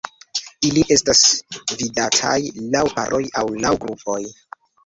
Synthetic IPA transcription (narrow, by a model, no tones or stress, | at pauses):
iliʔe̞stasvidatʰa̰jlawpa̰ɾʔo̞jawlawɡɾupʰo̞j